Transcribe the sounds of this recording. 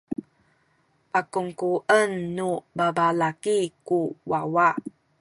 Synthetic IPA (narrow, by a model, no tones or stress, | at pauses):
pakuŋkuʔənːubabalakikuwawa